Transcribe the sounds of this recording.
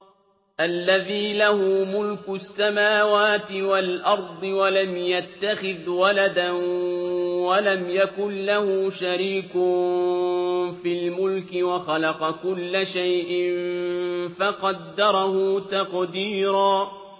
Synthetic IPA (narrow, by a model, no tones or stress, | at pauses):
ʔalːaðiːlahʊːmʊlkʊʔasːamaːwaːt̪ɪwalʔɑɾˤd̪ˤɨwalamjat̪ːaxɪðwalad̪an | walamjakʊnlahʊːʃaɾiːkʊn | fiːlmʊlkɪwaxalɑqɑkʊlːaʃajʔɪn | fɑqɑd̪ːɑɾˤɑhʊːt̪ɑqd̪iːɾɑː